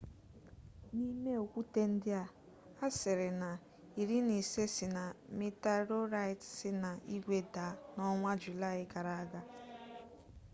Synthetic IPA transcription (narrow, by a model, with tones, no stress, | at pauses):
ni˦me˦o˨kʷu˦te˦n̩˦dɪ˦a˨ | a˦sɪ˨ɾɪ˨na˨ | i˨ɾi˦ni˨se˦sɪ˨na˨mi˦ta˦ɾo˦ɾa˦ɪ˨tsɪ˦na˨i˦ɡʷe˦da˨˦nɔ˦ŋʷa˦d͡ʒu˨la˦˨ɪ˦ka˨ɾa˨a˦ɡa˦